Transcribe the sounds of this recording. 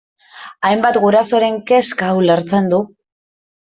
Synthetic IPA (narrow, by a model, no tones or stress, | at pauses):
ajmbat̪ɡuɾaso̞ɾe̞ŋke̞skawleɾt͡send̪u